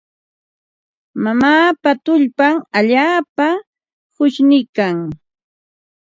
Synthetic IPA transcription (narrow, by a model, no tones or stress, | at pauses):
mamaːpat̪ʊʎpaŋaʎaːpa | hʊʃnɪkaŋ